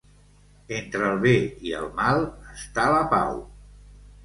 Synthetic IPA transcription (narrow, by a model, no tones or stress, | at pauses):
ent̪ɾəːlˠβeiə̰lˠmalˠəst̪aləpa̰w